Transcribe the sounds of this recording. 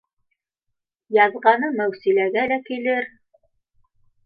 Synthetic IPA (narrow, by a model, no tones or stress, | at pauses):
jɑðʁɑnɤmæwsilæɡælækilɘɾ